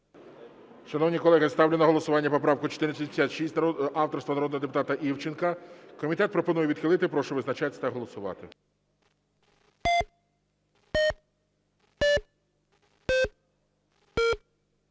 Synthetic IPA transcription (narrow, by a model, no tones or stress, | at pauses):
ʃɐnɔwnʲikɔlˠɛɦɪst̪ɑwlʲɪnɐɦɔlˠɔsʊʋɑnʲːɐpɔpɾɑwkʊt͡ʃɔ̥t̪ɪɾnsʲɐpʲe̥sʲat̪ʲʃisʲnɑwt̪ɔrst̪ʋɐnɾɔd̪nɔɦɔd̪epʊ̥t̪ɑt̪ɐʔiwt͡ʃɪnkɐkɔmʲit̪ɛt̪̚pɾɔpɔnujɛʋʲid̪xɪlˠɪt̪ɪpɾɔʃɔʋɪznɐt͡ʃat̪ʲt̪ɐɦɔlˠɔsʊʋɑ̰t̪ɪ